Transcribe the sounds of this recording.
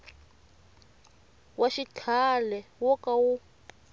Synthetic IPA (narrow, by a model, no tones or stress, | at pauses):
waʃit͡ɬʰalɛwɔkawu